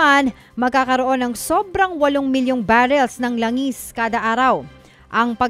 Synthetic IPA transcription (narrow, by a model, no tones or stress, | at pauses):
an | mɐɡ̚kːaːkɐɾoʔo̞nɐŋso̞bɾɐŋwɐloŋmɪljoŋbaɾɛlsnɐŋlɐŋiskaːd̪ɐʔaːɾɐw | ʔɐŋpɐ